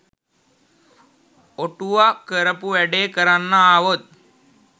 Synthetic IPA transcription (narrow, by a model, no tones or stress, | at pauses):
oʈuʋakəɾəpuʋæɖeːkəɾanːaːʋot̪̚